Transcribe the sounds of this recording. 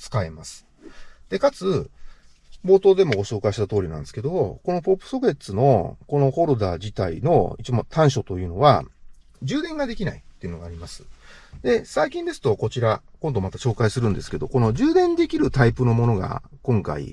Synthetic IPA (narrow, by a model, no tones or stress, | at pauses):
t͡sɨ̥kae̞masɨ̥ | d̪̥e̞kat͡sɨ | bo̞ːt̪o̞ːd̪e̞mo̞ɡo̞ɕo̞ːkaiɕi̥t̪at̪o̞ːɾʲinã̰nd̪e̞sɨ̥ked̪o̞ko̞no̞po̞pːɯ̥so̞ɡe̞t͡sɨno̞̰ko̞no̞ho̞ɾod̪aːd͡ʑit̪aḭno̞̰it͡ɕimot̪ʰãɰ̃ɕo̞t̪o̞jɯ̟ːno̞βa̰ | d͡ʑɨːd̪ẽ̞ŋɡad̪e̞kʲinait̪ːe̞iɯ̟no̞ɡaːɾʲimasɨ̥d̪e̞saikʲĩnd̪e̞sɨ̥t̪o̞ko̞t͡ɕiɾakõ̞nd̪o̞mat̪aɕo̞ːkaisɨɾɯ̟̃nd̪e̞sɨ̥ke̞d̪o̞ko̞no̞ʑɨːd̪ẽ̞nd̪e̞kʲiɾɯ̟t̪aipɯ̟no̞mo̞no̞ɡa̰kõ̞ŋka̰ḭ